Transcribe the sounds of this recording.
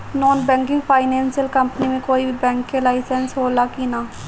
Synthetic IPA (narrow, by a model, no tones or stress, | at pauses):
nɔːnbɛ̃ːŋkɪ̃ŋɡpʰaːɪnɛ̃ːnsjəlkɐmpnimẽkoːibʱibɛ̃ːŋkːelaːɪsənsɦoːlakinaː